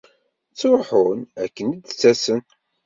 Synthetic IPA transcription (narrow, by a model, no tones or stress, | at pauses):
t͡sːoħʊnækːənid̪t͡sːæsən